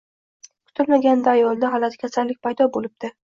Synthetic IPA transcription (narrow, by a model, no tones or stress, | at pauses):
kʰʊ̥t̪ʰɪlmaɡʲand̪aːjɒlˠd̪aɦɒlat̪ʰɪ̥kʲʰasalːɪk̚ʲpʰajd̪ɒbolɪb̚d̪ɪ